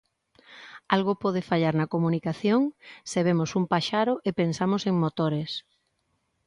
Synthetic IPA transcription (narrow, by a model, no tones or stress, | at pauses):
alɣʊpɔð̞ɪfaʎaɾnɐkomunikaθjoŋseβ̞emosumpaʃaɾoʔepensamoseŋmot̪oɾes